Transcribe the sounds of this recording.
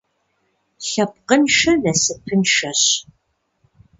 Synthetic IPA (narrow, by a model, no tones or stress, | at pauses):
ɬɐp̚qənʃɐnɐsɨpʰɨnʃɐɕ